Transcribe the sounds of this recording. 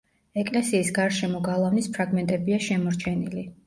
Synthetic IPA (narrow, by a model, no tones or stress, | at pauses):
ɛkʼlɛsiːsɡaɾʃɛmɔɡalˠavnispʰɾaɡmɛnt̪ʼɛbiaʃɛmɔɾt͡ʃʰɛnili